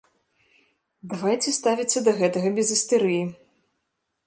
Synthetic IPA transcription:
d̪avajt͡sʲɛst̪avʲit͡s̪ʲːɐd̪ɐɣɛt̪ɐɣɐbʲɛzɨst̪ɛɾɨji

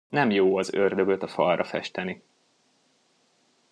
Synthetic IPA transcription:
nɛmjoːɒzørd̪ø̞ɡø̞t̪ɒfɒrːʔɒfɛ̰ʃt̪ɛni

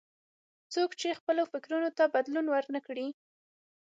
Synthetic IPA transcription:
t͡sokt͡ʃexpəlofɪkɾunot̪abad̪lunwəɾknəkɽi

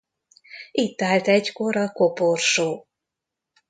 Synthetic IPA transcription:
it̪ːaːlt̪ɛɟko̞ɾɒkoporʃoː

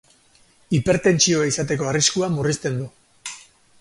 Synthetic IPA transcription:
ipe̞ɾt̪e̞nt͡ʃio̞aisat̪e̞ko̞ariskuamurist̪e̞nd̪u

